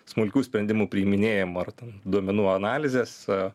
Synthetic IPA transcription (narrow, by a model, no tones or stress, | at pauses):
smʊlʲkʲuːsʲpʲɾʲɛnʲd̪ʲɪmuːpʲɾʲiːmʲɪnʲeːjɛmːɐrt̪ʲɛnd̪uɔmʲɛnuːɐnɑːlʲɪzʲeːs